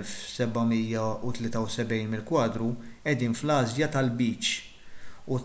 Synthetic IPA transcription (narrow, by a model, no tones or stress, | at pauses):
lfsɛbɐmijːɐut̪lɪːt̪ɐwsɛbɛjnmɪlkwɐːd̪ɾuɛd̪iːnflɐːzjɐt̪ɐlbiːt͡ʃ | u